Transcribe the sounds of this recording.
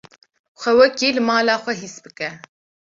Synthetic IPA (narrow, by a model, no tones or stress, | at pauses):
xʷɛwɛkiːlɨmɑːlaːxʷɛɦisbɨkɛ